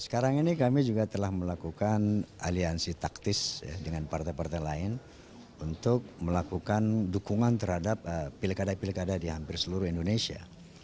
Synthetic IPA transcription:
sə̥kaɾaŋinikamid͡ʒuɡat̪əlahməlakukanaliansit̪ak̚t̪ɪsja̰dəŋanpart̪ajpart̪ajlaɪn | unt̪ʊk̚məlakukandukuŋant̪ərhadap̚əːilkadapilkadadiɦampɪrsəluɾʊhindonesia̰

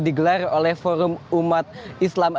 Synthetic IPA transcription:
diɡəlarolɛhfoɾumumat̪̚islam

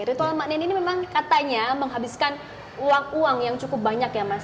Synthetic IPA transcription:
ɾit̪almaʔnɛninimemaŋkat̪aɲaməŋɦabiskan | uwaŋuaŋjaŋt͡ʃukʊp̚baɲakjamas

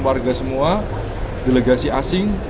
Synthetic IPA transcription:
warɡasəmua | deleɡasiʔa̰sɪŋ

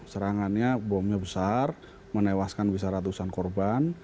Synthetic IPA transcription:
səɾaŋanɲabɔmɲabəsar | mənewaskanbisaɾat̪usankɔrban

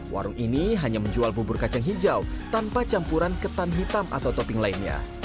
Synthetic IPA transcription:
wʔa̰ɾʊŋiniɦaɲaməɲd͡ʒualbubʊrkat͡ʃaŋɦid͡ʒawt̪anpat͡ʃampuɾankət̪anɦit̪ama̰t̪awt̪opɪŋlainɲa̰

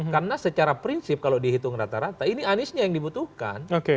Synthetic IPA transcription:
karnasət͡ʃaɾapɾinsɪp̚kalodiaɦit̪ʊŋɾat̪aɾat̪ainianɪsɲajaŋdibut̪uhka̰noke

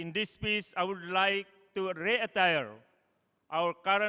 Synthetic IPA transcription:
ĩndispesajwudlajk̚tuɾiətajəɹ | ʔawəɾkaɾə̃

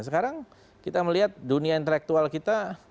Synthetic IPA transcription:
səkaɾaŋ | kit̪aməliɦat̪̚duniaint̪əlɛk̚t̪ualkit̪a

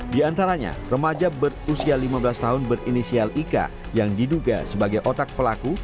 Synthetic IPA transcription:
diant̪aɾaɲa̰rəmad͡ʒabərusialimabəlast̪aɦʊnbərinisialika̰ | jaŋdiduɡa̰səbaɡajʔot̪ak̚pəlaku

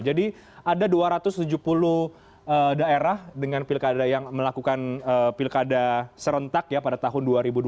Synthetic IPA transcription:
d͡ʒadi | adaduaɾat̪ʊst̪ud͡ʒupulʊh | ədaeɾahdəŋanpɪlkadajaŋməlakukanəpɪlkadasəɾənt̪akjapadat̪aɦʊnduaɾibud

